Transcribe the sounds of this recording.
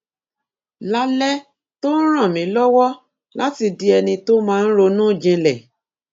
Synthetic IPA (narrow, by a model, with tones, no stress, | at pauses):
la˦lɛ˦ | to˦n̩˦ɾ̃ã˦˨mĩ˨˦lɔ˦wɔ˦ | la˦ti˧di˦ɛ˧nĩ˧to˦mãː˦˧n̩˦ɾo˧nũː˦˨d͡ʒĩ˧lɛ˨